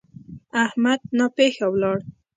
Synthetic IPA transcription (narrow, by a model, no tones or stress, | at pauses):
ahmad̪̚napexawlɑɽ